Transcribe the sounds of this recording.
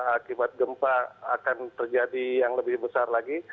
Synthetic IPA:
akibat̪̚ɡəmpaakant̪ərd͡ʒadijaŋləbɪhbəsarlaɡi

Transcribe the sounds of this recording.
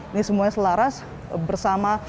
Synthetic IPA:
nisəmuasəlaɾas | bərsama

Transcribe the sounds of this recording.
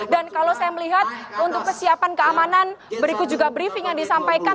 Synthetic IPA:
dankalosajaməliɦat̪̚unt̪ʊkːəsiapankəamananbəɾikut̪̚d͡ʒuɡabɾifɪŋjaŋdisampajka

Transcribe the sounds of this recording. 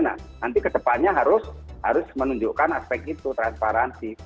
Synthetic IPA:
na̰hnant̪ikət͡ʃəpat̪̚ɲaɦaɾʊsha̰ɾʊsmənuɲd͡ʒuʔkanaspɛk̚t̪it̪ut̪ɾanspaɾansi

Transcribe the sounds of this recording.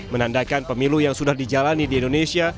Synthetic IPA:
mənandakanpəmilujaŋsudahdid͡ʒalanidiindonesia

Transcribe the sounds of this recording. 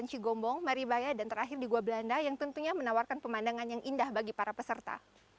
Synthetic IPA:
nt͡ʃiɡɔmbɔŋmaɾibajadant̪əɾaɦɪrdiɡuabəlandajaŋt̪unt̪uɲamənawarkanpəmandaŋanjaŋʔindahbaɡipaɾapəsərt̪a̰

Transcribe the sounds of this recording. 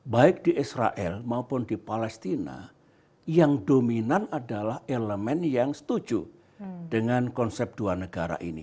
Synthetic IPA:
baɪk̚d̥iʔisɾa̰ʔɛlmaupʊndipalɛst̪ina̰ | jaŋdominanadalaheləmɛnjaŋsə̥t̪ud͡ʒu | d̥əŋankɔnsɛp̚d̥uanəɡaɾa̰ʔḭnḭ

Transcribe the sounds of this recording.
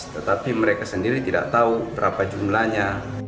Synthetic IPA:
t̪ət̪apiməɾekasəndiɾit̪ida̰ʔt̪aubəɾapad͡ʒumlaɲa

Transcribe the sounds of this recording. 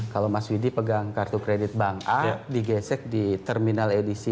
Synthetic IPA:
kalowmaswidipəɡaŋkart̪ukɾedɪt̪̚baŋadiɡɛsɛk̚dit̪ərminaledisi

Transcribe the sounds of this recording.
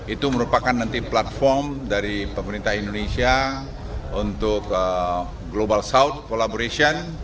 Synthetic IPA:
it̪uməɾupakanːant̪iplat̪̚fɔrmdaɾipəməɾint̪ahindonesia | unt̪ʊkə | ɡlobalsaut̪̚kolaboɾesiɔn

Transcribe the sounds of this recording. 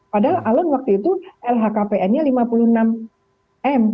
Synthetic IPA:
padaɦalʔalɔnwak̚t̪uit̪uʔɛlɦakapeɛnɲalimapuluhənam | ʔɛm

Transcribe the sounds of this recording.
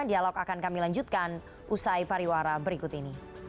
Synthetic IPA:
dialɔkakankamilaɲd͡ʒut̪̚kan | ʔusajpaɾiwaɾabəɾikʊt̪ini

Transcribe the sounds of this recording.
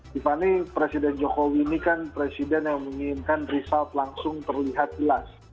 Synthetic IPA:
d̥ifanipɾesidɛnd͡ʒokowinikanpɾesidɛnjaŋməŋiɪnkanrisalt̪laŋsʊŋt̪ərliɦat̪̚d͡ʒəlas

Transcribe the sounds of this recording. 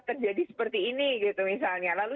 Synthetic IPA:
t̪ərd͡ʒadisə̥pərt̪iːniɡit̪umisalɲalalu

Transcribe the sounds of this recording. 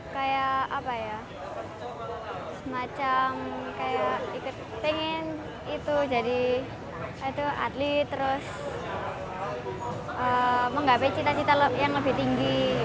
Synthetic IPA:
kajaʔapaja | səmat͡ʃamkajaʔikʊt̪̚peŋɪn | it̪ud͡ʒadi | t̪uʔa̰t̪lit̪ːəɾʊs | əməŋɡapet͡ʃit̪at͡ʃit̪aləjaŋləbiht̪iŋɡi

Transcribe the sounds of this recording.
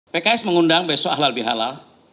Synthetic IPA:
pekaɛsməŋundaŋbesɔaɦlalbiɦa̰lal

